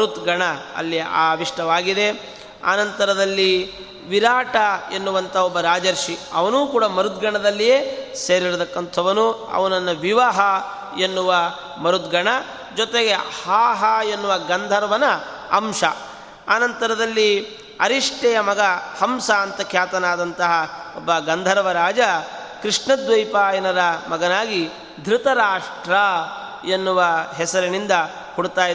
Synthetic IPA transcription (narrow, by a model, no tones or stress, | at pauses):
ɾut̪ɡɐɳɐɐ̰lːia̰ːʋiʂʈɐʋaːɡid̪e̞ | a̰ːnɐnt̪ɐɾɐd̪ɐlːi | ʋiɾaːʈɐenːuʋɐnt̪ʰɐɔbːɐɾaːd͡ʒɐɾʂiɐʋɐnuːkuːɽɐmɐɾud̪ɡɐɳɐd̪ɐlːijeːseːɾiɾut̪ɐkːɐnt̪ʰɐʋɐnuɐ̰ʋɐnɐnːɐʋiʋaːɦɐ | enːuʋɐ | mɐɾut̪ɡɐɳɐ | d͡ʒɔt̪eɡe̞haːɦaenːuʋɐɡɐnd̪ʱɐɾɐʋɐnɐ | ɐmʂɐ | aːnɐnt̪ɐɾɐd̪ɐlːi | ɐ̰ɾiʂʈɛjɐmɐɡɐhɐmsaːnt̪ɐkʰjaːt̪ɐnaːd̪ɐnt̪ɐɦɐɔbːɐɡɐnd̪ʱɐɾɐʋɐɾaːd͡ʒɐ | kɾiʂɳɐd̪ʋɐjpaːjɐnɐɾɐmɐɡɐnaːɡi | d̪ʱɾɪt̪ɐɾaːʂʈɾɐ | enːuʋɐɦɛsɐɾɐnind̪ɐ | huɽt̪aːj